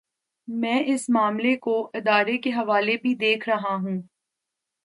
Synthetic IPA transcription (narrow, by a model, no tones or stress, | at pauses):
mɛ̃ːʔɪsmaːmlekoʔɪd̪aːɾekeɦɐʋaːlebʱid̪eːkʰɾɐɦaɦũː